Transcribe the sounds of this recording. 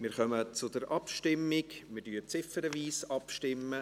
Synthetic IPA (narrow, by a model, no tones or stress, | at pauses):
mɪːɾχœmət͡sʊdəɾʔɑpʃtɪmːɪkmɪɾdyːət͡sɪfəɾəviːsɑpʃtɪmːə